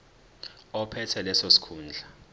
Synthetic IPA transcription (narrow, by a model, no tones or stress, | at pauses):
ɔpʰɛtʰɛlɛsosi̥kʰuːnd͡ɮʱa